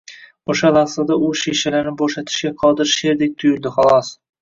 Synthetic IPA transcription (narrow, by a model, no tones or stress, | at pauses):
oʃalasad̪aʊʃeʃalaɾnɪboʃat̪ʰɪ̥ʃɡʲaqʰɒd̪ɪɾʃe̞ɾd̪ek̚ʲt̪ʰʊjʊld̪ɪχɑlˠɒs